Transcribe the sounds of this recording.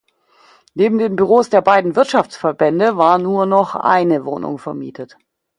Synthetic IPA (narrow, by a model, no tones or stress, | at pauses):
neːbm̩deːnbyʁ̞oːsd̥eːɐbaɪdn̩vɪɐtʃaft͡sfɛɐbɛndəvaːɐnuːɐnɔχʔa̰ɪnəvo̰ːnʊ̰ŋfɛɐmḭːtʰət